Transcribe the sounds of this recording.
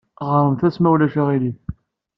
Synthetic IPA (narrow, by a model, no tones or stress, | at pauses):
ʁəɾˤəmθæsmæwlæʃæʁiliθ